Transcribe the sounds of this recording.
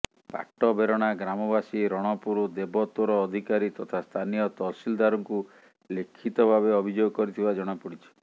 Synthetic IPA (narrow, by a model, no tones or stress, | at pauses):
pa̰ʈɔbeɾɔɽ̃aɡɾamɔbasiɾɔɽ̃ɔpuɾud̪ebɔt̪ɔɾɔːd̪ʱikaɾit̪ɔt̪ʰast̪ʰanijɔt̪ɔsild̪aɾɔŋku | lekʰit̪ɔbʱabeɔbʱid͡ʒoɡɔkɔɾit̪ʰibad͡ʒɔɽ̃apuɽit͡ʃʰi̥